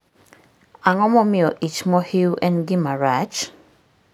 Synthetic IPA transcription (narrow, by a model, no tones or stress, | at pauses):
aŋɔmɔmɪɔʔit͡ʃmɔhiwʔɛ̃nɡimaɹat͡ʃ